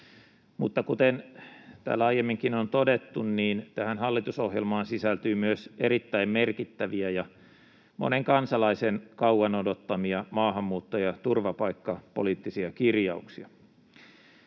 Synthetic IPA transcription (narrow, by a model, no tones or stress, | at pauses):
mut̪ːɑkut̪ent̪æ̰ːlːɑjemːiŋkinont̪odet̪ːunniːnt̪æhænhɑlːit̪usohjelmɑːnsisælt̪yːmyøseɾit̪ːæimmerkit̪ːæʋiæjɑ | mʔo̰neŋkɑnsɑlɑisenkɑwɑnodot̪ːɑmiɑmɑːhɑmːuːt̪ːojɑt̪urʋɑpɑikːɑpo̰liːt̪ːisiɑkirjɑuksiɑ